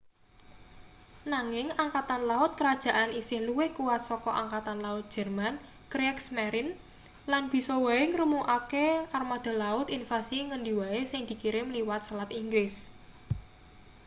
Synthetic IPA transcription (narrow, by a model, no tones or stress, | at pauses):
naŋɪŋaŋkat̪anlaʊt̪̚kəɾad̥ʒ̥a̤ʔanisɪhluwekuwat̪̚sɔkɔʔaŋkat̪anlaʊt̪̚dʒ̥ɛ̤rman | kɾɛksmɛɾɪn | lanb̥i̤sɔwaeŋɾumuʔakearmad̪̥a̤laʊt̪infasiŋəɳɖiwaesɪŋd̪̥i̤kiɾemliwat̪̚səlat̪iŋɡɾɪs